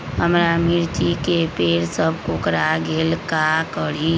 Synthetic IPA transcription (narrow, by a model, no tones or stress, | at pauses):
ɦəmɾamiɾt̪ikepeːɾsəb̚ʱkokɾaɡeːlkakəɽi